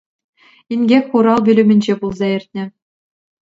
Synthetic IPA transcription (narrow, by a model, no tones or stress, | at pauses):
inʲɡʲekʲχuɾɑlˠbʲy̆lʲɘ̆mʲɘ̆nʲd͡ʑebulˠzɑɘ̆rʲt̪̚ʲnʲɘ̆